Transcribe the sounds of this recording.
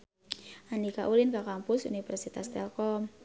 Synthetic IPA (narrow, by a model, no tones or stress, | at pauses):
ʔanika̰ʔulɪnkakampʊsṵnifɛrsit̪ast̪ɛlkɔm